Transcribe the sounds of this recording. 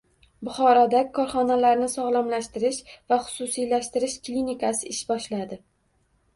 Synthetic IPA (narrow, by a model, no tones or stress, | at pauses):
bʊχɒɾɒd̪akʰːɒɾχɒnalaɾnɪsɒʁlˠamlaʃt̪ɪɾɪʃvaχʊ̥sʊsijlaʃt̪ɪɾɪʃklʲinikʰasɪɪʃbɒʃlad̪ɪ